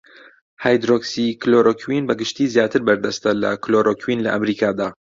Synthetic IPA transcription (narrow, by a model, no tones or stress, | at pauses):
haːjd̪ɾoksikloɾokʰwinbɐɡɨʃt̪iːzjaːt̪ʰɨɾbɐɾd̪ɐst̪ɐlɐ̰kloɾʔokʰwinlɐʔɐmɾiːkʰaːd̪aː